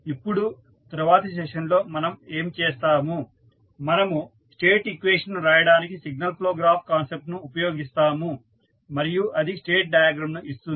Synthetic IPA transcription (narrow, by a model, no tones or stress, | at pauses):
ipːuɽu | t̪ɐɾuʋaːt̪ɐs̬ɛʂɐnlo̞ːmɐnɐme̞ːmt͡ʃɛːst̪aːmu | mɐnɐmu | sʈeːʈikʋeːʂɐnɾaːjɐɽaːnikisiɡ̚nɐlkloːɡɾaːpʰkaːnsep̚ʈnuːpɐjo̞ːɡist̪aːmu | mɐɾijuʔɐd̪isʈeːʈ̚ɖaːjaːɡɾɐmnuʔist̪uni